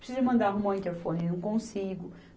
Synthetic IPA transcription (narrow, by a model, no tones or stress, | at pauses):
pɾisizɐmɐ̃nd̪aɾũmɐ̃ĩnt̪eɾfõnɪnɐ̃w̃kõsiɡʊ